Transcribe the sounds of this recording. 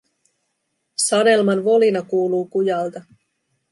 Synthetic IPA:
sɑde̞lmɑnʋo̞linɑkuːluːkujɑlt̪ɑ

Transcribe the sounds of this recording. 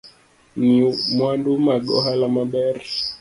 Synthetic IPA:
nimwandumaɡɔ̰halamaɓɛɾi

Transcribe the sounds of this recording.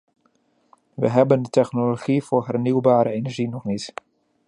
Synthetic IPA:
ʋə̰ɦɛbəndətɛχnoloχivʊːrɦɛrniwbaːɾəenɛɹʒinɔχnit

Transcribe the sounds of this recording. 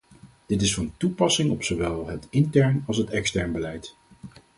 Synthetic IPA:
d̥ɪtɪsfɑntupɑsɪŋɔpsoʋɛlˠɦətɪntɛɹnɑlˠsɦətɛkstɛɹnbəlɛjt

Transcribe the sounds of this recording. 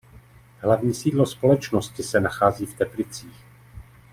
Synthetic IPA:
ɦlavɲiːsiːdlo̞spo̞lɛt͡ʃnoscɪsɛnaxaːziːft̪ɛplɪt͡siːx

